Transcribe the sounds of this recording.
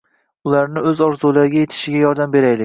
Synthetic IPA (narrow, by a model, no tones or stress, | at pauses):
ʊlaɾnɪɵzɒɾzulaɾɪɡʲaje̞t̪ʰɪ̥ʃɪɡʲajɒɾd̪ambe̞ɾajlɪkʲ